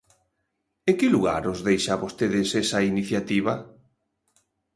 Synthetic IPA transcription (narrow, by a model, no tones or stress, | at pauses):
ekɪluɣa̰ɾozðejʃaβost̪eðɪsɛsɐiniθjat̪iβɐ